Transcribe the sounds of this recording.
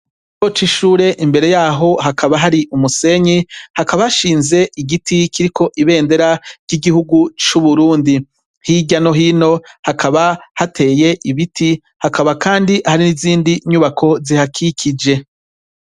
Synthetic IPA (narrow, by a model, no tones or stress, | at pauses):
jot͡ʃiʃuːɾe̞ʔimbe̞ɾe̞jaːɦo̞ɦakaβaɦaɾiʔumuse̞ɲihakaβahaʃiːnze̞ʔiɡitikiɾikʰo̞ʔiβe̞ːnde̞ɾaɾɟiɡihuɡut͡ʃuβuɾuːndi | hiɟano̞ɦiːno̞hakʰaβahatʰe̞ːje̞ʔiβitʰi | hakaβakaːndihaɾiniziːndiɲuβakʰo̞zihakʰikʰid͡ʒe